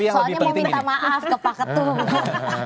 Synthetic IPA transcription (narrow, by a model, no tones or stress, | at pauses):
sɔalɲaməint̪amaʔafkəpakət̪u